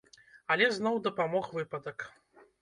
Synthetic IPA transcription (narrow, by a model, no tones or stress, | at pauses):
ɐlʲɛznɔwd̪ɐpamɔxvɨpɐd̪ɐk